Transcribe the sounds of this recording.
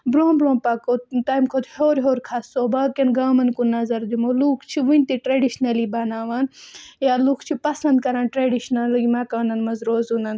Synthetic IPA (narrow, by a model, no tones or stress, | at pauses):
bɾoːbɾõːpakot̪aːjmkʰoːt̪hoːɾɦoːɾʲkʰaːsːoːbɐkʲenɡaːmɐnkunɐzɐɾd̪umoːluːkʰt͡ʃʰiʋunʲt̪iʈɾeɖiʃnɐliːbɐnaːʋaːnjaːlukʰt͡ʃʰipɐsɐnd̪̚kɐɾãːnʈɾeɖiʃnɐlmɐkaːnɐnmɐzɾoːzunɐn